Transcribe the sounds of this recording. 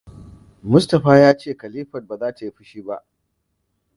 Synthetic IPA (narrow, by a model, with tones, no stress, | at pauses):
mʊ˦stɐ˨ɸaː˦jaː˦t͡ʃeː˦˨kɐ˨liː˦ɸɐ˨t̚ba˨zaː˦ta˨ji˦ɸɪ˦ʃiː˦ba̰˦ʔ